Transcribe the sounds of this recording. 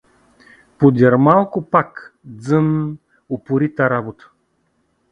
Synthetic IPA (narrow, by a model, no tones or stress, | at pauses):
pod̪ʲɛɾmalˠkʊpakd̪zən | opʊɾit̪aɾabot̪ə̥